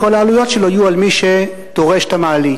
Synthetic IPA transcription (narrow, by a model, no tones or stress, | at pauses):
kolaːlujo̞t̪ʃeloajualmiʃe | d̪̥oʁe̞ʃt̪amaːli